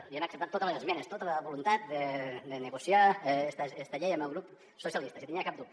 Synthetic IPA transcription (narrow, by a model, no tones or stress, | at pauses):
iənəksəpt̪at̪ːot̪ələzəzmɛnəst̪ot̪ələβulunt̪at̪̚d̪əd̪ənəɣusiaest̪əest̪əʎejəməlˠɣɾup | susiəlist̪əsit̪iniakap̚d̪up